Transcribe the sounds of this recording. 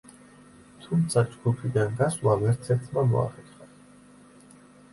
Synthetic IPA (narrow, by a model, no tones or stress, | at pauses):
t̪ʰumt̪sʰad͡ʒɡupʰid̪anɡaswavɛɾt̪sʰɛɾt̪ʰmamɔ̰a̰χɛtχa